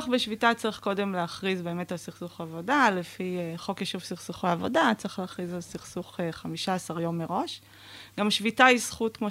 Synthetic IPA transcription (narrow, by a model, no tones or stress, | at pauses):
χbeʃvitat͡saʁiχko̞de̞mleaχʁizbe̞eːmetalsiχsuχaːvo̞dalefiχo̞keʃuvsiχsuχeavo̞dat͡saʁiχleaχʁizalsiχsuχeχamiʃaasaʁjo̞mːeʁo̞ʃ | ɡamʃvitaisχutkmo